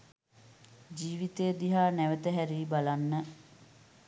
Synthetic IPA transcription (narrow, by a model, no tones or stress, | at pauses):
d͡ʒiːʋit̪əjəd̪iɦaːnæʋət̪əɦæɾiːbalanːə